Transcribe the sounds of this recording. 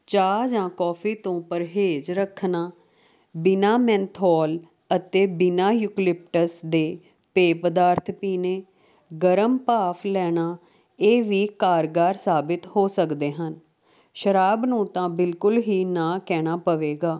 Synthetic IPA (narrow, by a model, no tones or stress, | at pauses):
t͡ʃaːd͡ʒãːkɔːpʰiːt̪õːpəɾɦeːd͡ʒɾəkʰnaː | bɪnaːmɛ̃ːnt̪ʰɔːl | ət̪eːbɪnaːjuːklɪp̚ʈəsd̪eː | peːpəd̪aːɾt̪ʰpiːneː | ɡəɾəmpaːpʰlɛːnaː | eːʋiːkaːɾɡaːɾsaːbɪt̪hoːsəkd̪eːɦən | ʃəɾaːbnũːt̪ãːbɪlkʊlɦiːnãːkɛːɽ̃aːpəʋeːɡaː